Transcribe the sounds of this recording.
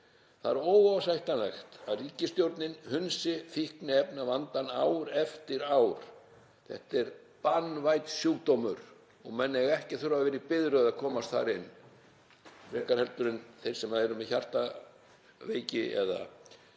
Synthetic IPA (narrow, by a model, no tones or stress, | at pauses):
θaɾowvaasajht̪anaxt̪aðriːcɪst̪jowɾt̪nɪnhʏnsɪfihknɪɛpnavant̪anaːwɾɛft̪ɪɾaːwɾ̥ | θɛ̰ht̪ɛɾ | panːvajt̪sjuːkt̪omʏɾ̥ | ɔɣmɛnːɛɣɛhcɪθʏɾavvɛːɾɪpɪðɾʏððakʰɔːmast̪θa̰ɾɪnː | ɾɛkaɾ̥hɛlt̪ʏɾɪnθej̥sɛmaðɛɾʏmɛçar̥t̪a | veːjcɪɛ̰ða̰